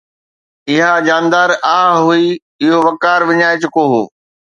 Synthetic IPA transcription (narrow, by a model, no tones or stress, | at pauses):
ɪɦad͡ʑaːnd̪aːɾaːɦɦui | ɪɦoʋɐkaːɾʋɪɲaːet͡ɕʊkoɦo̰ː